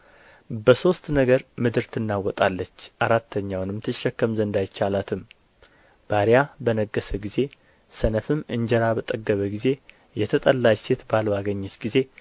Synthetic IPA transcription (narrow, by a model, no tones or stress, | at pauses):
bəso̞st̪nəɡəɾmɨd̪ɨɾt̪ʰɨnːawɔt̪ʼalːət͡ʃːʔaɾat̪ʰːəɲːawnɨmt̪ʰɨʃːɛkːəmzənd̪ajɪt͡ʃːalat̪ʰɨm | b̥aɾijabənəɡːəsəɡize̞ | sənəfɨmɨɲd͡ʒəɾabət̪ʼəɡːəβəɡize̞ | jɛt̪ʰət̪ʼəlːajse̞t̪balwaɡəɲːɪsɡ̥ize̞